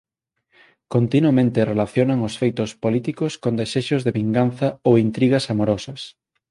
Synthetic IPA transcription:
kont̪inuɐmẽnt̪ɪrelaθjonɐŋosfejt̪ʊspolit̪ikʊskond̪eseʃʊzðeβiŋɡanθɐowint̪ɾiɣɐsamoɾɔsɐs

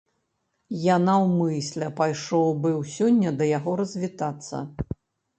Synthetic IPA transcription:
janawmɨsʲlʲɛpajʂɔwbɨwsʲɔnʲːɐd̪ɐjaɣɔɾɐzʲvʲit̪at̪sːɐ̰

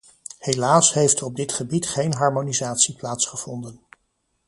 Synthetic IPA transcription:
helaːsɦejftɔb̚dɪtχəbitχejnɦɑɹmonizaːtsiplaːtsχəv̥ɔndən

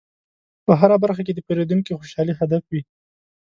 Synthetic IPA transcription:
pəɦaɾabaɾxak̬ed̪əpeɾed̪uŋkixoʃɑliɦad̪afwi

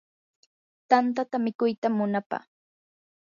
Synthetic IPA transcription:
t̪ant̪at̪amɪkʊjt̪amːʊnapa̰

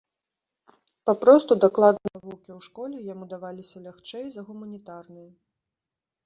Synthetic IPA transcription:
papɾɔst̪ud̪aklˠad̪nɐɐvuwkʲiwʂkɔlʲɛjamud̪avalʲisʲɐlʲaxt͡ʂɛjzɐɣumɐnʲit̪arnɨj

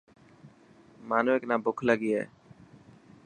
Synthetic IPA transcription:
maːnuːeːknaːbʊkʰləɡiːɛ̰ː

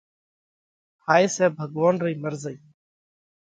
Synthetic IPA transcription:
haːiːsɛːbʱəɡʋaːnɾəiːməɾzəiː

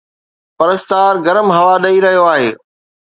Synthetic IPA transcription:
pɐɾəst̪aːɾɡɐɾəmɦɐʋaɗɐiɾɐɦijoaːɦḛː

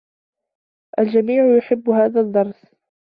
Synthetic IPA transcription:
ʔald͡ʒamiːʕʊjʊħɪbːhaːðad̪ˤːɑɾˤs

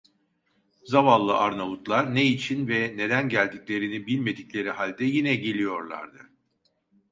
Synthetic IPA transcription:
zavalˠːɯʔaɾnavut̪lˠaɾneit͡ʃʰinvɛne̞d̪ænɟælʲd̪iclʲe̞ɾinibilʲme̞d̪iclʲe̞ɾihalʲd̪ɛjinɛɟe̞lʲijo̞ɾlˠa̰ɾd̪ɯ

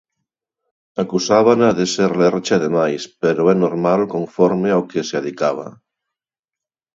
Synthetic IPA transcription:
akusaβanaðeseɾleɾt͡ʃaaðemajspeɾoɛnoɾmalko̞ɱfoɾmeawkeseaðikaβ̞a̰

